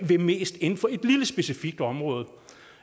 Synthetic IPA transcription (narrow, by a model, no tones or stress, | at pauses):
ʋe̝me̝̰ːsd̥e̝nfɒ̽e̝d̥liləsb̥e̝sifiɡ̥̚d̥ɒ̽mʁɔ̽ːð̞̩ˠ